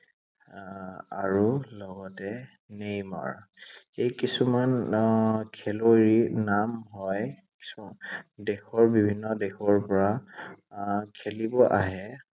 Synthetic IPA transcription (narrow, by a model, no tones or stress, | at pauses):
aɹulɔɡɔtɛ | nejma̰ɹ | ejkisuman | kʰeloɹinamɦɔj | ki̥s | dexɔɹbibʱinːɔdɛxʰɔɹpɔɹa | kʰelibɔʔa̰ɦɛ